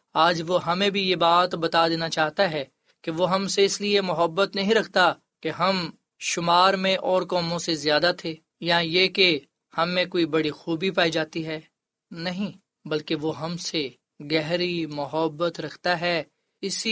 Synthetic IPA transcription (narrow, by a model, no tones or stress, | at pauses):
aːd͡ʒʋoɦɐmẽbʱijebaːt̪bɐt̪ad̪eːnat͡ʃaːɦt̪aɦɛː | keʋoɦɐmseɪsliemʊɦəbːət̪nɐɦĩɾɐkʰt̪a | keɦɐm | ʃʊmaːɾmẽʔɔːɾkɔːmõsezjaːd̪at̪ʰeː | jãjeːke | hɐmːẽkoːibɐɽixuːbipaːid͡ʒaːt̪iɦɛː | nɐɦĩ | bɐlkeʋoɦɐmse | ɡɛɦɾimʊɦəbːət̪ɾɐkʰt̪aɦɛː | ɪs